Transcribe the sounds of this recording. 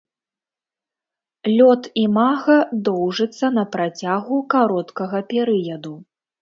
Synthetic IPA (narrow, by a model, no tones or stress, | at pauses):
lʲɔt̪imaɣɐd̪ɔwʐɨt̪sːɐnɐpɾat͡sʲaɣukaɾɔt̪kɐɣɐpʲɛɾɨjɐd̪u